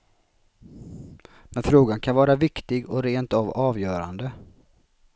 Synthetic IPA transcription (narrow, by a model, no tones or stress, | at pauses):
mɛnfɾoːɡankʰanvɑːɾavɪkt̪ɪɡɔɾeːnt̪avɑːvjœːɾa̰nd̪ə